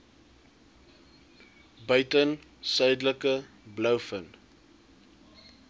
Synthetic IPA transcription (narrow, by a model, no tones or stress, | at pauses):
bœɥtənsœɥdləkə | blœwfən